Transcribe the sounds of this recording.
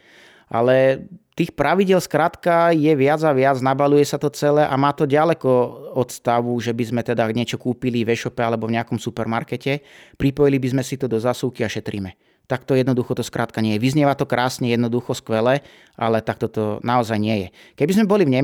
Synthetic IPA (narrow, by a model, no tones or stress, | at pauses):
ʔa̰lɛt̪iːxpɾʔaʋiɟɪɛlskɾaːt̪kajɛʋɪad͡zaʋɪad͡znabalujɛsat̪ɔt͡sɛlɛʔamaːt̪ɔɟalɛkɔɔt̪st̪aʋuʒɛbizmɛt̪ɛd̪aɡɲɪɛt͡ʃɔkuːpilivɛʃɔpɛalɛbɔvɲɛakɔmsupɛɾmaɾkɛcɛpɾipɔjilibizmɛsit̪ɔd̪ɔzaːsuʊkiaʃɛt̪ɾimɛ | t̪ak̚t̪ɔjɛd̪nɔd̪uxɔt̪ɔskɾat̪kaɲɪɛjɛʋizɲɪɛʋat̪ɔkɾʔaːsɲɛjɛd̪nɔd̪uxɔskʋɛlɛ | ʔa̰lɛt̪ak̚t̪ɔt̪ɔnaɔzajɲɪɛjɛ̰ | kɛbizmɛbɔlivɲɛ